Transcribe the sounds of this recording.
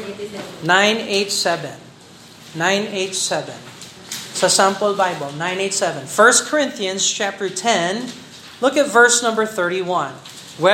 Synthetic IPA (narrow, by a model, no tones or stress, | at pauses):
nãɪ̃neɪt̪sɛvɛ̃nː | ãɪ̃neɪt̪sɛvɛ̃n | sɐsãmpəlbaɪbəlˠnãɪ̃neɪt̪sɛvɛ̃nfɜ˞st̚kʰɔɹɪ̃nθiɨ̃nst͡ʃæp̚t̪ə˞tʰɛ̃n | lʊkɨt̪vɜ˞snʌ̃mbə˞θɜ˞ɾiwʌ̃n | wɛ